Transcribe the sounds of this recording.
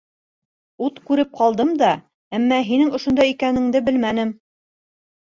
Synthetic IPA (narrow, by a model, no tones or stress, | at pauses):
ut̪kʉɾɘp̚qɑlˠd̪ɤmd̪ɑ | æmːæɦinɘŋŏʃŏnd̪ɑjikænɘ̆ŋd̪ɘbɘlmænɘm